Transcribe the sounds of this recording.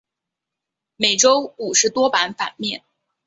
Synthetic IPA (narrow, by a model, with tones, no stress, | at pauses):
me˨˩ɪʈ͡ʂo˥ʊu˨˩ʂɻ̩˧˥t̪wɔ˥pa˧˥nfa̰˨˩nmjɛ̰˥˩n